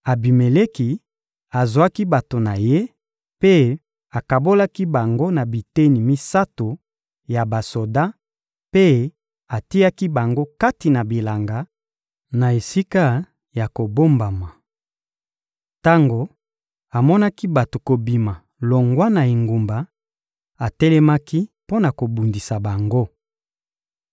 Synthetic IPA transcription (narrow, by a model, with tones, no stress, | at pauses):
a˨bi˨me˨le˦ki˨ | a˨zwa˦ki˦ba˨to˨na˨je˦ | pe˦ | a˨ka˨bo˦la˦ki˦ba˨ŋɡo˦na˨bi˨te˦ni˨mi˦sa˦to˨ | ja˨ba˨so˨da˦ | pe˦ | a˨ti˦ja˦ki˦ba˨ŋɡo˦ka˦ti˨na˨bi˨la˨ŋɡa˨˦ | na˨e˨si˦ka˦ | ja˨ko˨bo˦mba˨ma˨ | ta˦ŋɡo˨ | a˨mɔ˦na˦ki˦ba˨to˨ko˨bi˨ma˨ | lo˨ŋɡwa˦na˨i˨ŋɡu˨mba˨ | a˨tɛ˦lɛ˦ma˦ki˦po˦na˨ko˨bu˨ndi˨sa˨ba˨ŋɡo˦